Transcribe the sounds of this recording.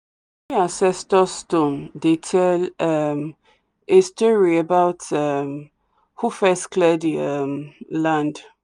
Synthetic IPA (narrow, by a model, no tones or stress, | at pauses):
iãsɛstɔstõndetʰɛlam | estɔɹiebaʊtam | hufɛskʰlɛdəʌmlãnd